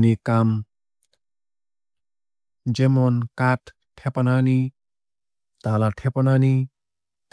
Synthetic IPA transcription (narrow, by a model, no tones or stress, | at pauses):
nikam | d͡ʒemɔnkat̪ʰː | ɛpanani | t̪alat̪ʰɛpanani | t̪